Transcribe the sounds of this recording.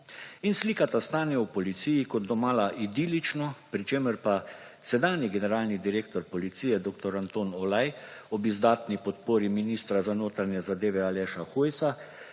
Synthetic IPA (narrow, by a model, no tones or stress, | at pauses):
insliːkat̪ast̪aːnɛwpɔlit̪sijikɔd̪̚d̪ɔmaːlaʔid̪iːlit͡ʃnɔpɾit͡ʃeːməɾpa | sɛd̪aːnjiɡɛnɛɾaːlnid̪iɾeːk̚t̪ɔɾpɔlit̪siːjɛd̪oːk̚t̪ɔɾant̪oːnɔlajɔbizd̪aːt̪nipɔt̪poːɾiminist̪ɾazanoːt̪ɾanjɛzad̪eːʋɛalɛːʃaxujsa